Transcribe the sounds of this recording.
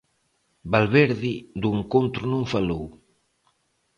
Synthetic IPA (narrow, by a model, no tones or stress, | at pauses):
balβɛɾðid̪ueŋkont̪ɾunõŋfalow